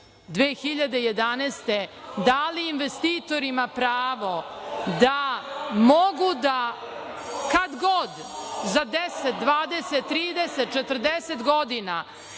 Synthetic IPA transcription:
d̪ʋeːxiʎad̪ejed̪anest̪e | d̪aliːnʋest̪iːt̪o̞ɾimapɾaːʋo̞d̪amoɡud̪a | kad̪ɡod̪ | zad̪eset̪̚d̪ʋaːd̪eset̪ːɾiːd̪eset̪̚t͡ʃet̪ər̩d̪eset̪ɡod̪ina

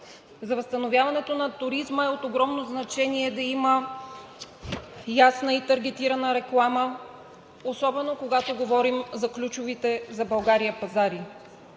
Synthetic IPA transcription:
zɐvəst̪ɐnovʲjavɐnɛt̪onɐt̪ʊɾizməɛot̪oɡɾɔmnoznɐt͡ʃɛniɛd̪ɐimə | jasnəit̪ɐɾɡʲɛt̪iɾɐnəɾɛklˠamə | osɔbɛnokoɡat̪oɡovɔɾimzɐklʲut͡ʃʊvit̪ɛzɐbɐlˠɡaɾiəpɐzaɾi

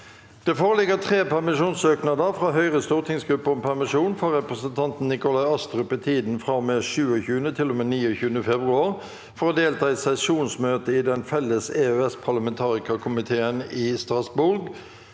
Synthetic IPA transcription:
d̪̥ɛːfoːʁəlɪɡət̪ʰʁeːpæʁmɪʂuːnsøːknɑd̪əfɾɑːɦœʏʁəst̪uːʁt̪ʰɪŋsɡɾʁʉpːəɾɔmpʰæʁmɪʂuːnfɔʁʁɛpʁəsənt̪ʰɑnt̪n̩nɪkʊlɑɪɑst̪ʁʉpɛt̪ʰiːd̪n̩fʁɑmeːʃʉːəçʉːənət̪ʰɪlːɔmeːniːɔçʉːənəfɛbʁʉɑːʁ | fɔʁɔd̪eːlt̪ʰɑːɛɪsɛsuːnsmøːt̪əɪd̪ɛnfɛlːəseøɛspʰɑʁlɑmɛnt̪ʰɑːʁɪkɑkʰʊmɪt̪ʰeːənɪːst̪ʁɑsbʊɾɡ

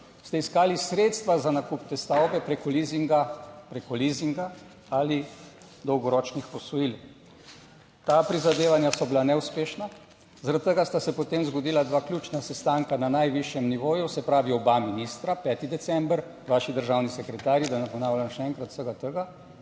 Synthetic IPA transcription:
st̪ɛiskaːlisɾet̪st̪ʋazanakupt̪ɛst̪awbɛpɾekɔliziŋɡapɾekɔliziŋɡa | ali | d̪ɔwɡɔɾɔːt͡ʃnixpɔsɔjil | t̪apɾizad̪eːʋanjasɔbilanɛuspeːʃna | zaɾadt̪̚t̪əɡast̪asɛpɔt̪emzɡɔd̪iːlad̪ʋaːklʲuːt͡ʃnasɛst̪aŋkananajʋiʃjɛmniʋoːjusɛpɾaːʋiɔbaminist̪ɾapɛːt̪id̪ɛt̪sɛmbəɾ | ʋaːʃid̪əɾʒawnisɛkɾɛt̪aːɾjid̪anapɔnaːwlʲjanʃɛɛŋkɾat̪səɡat̪əɡa

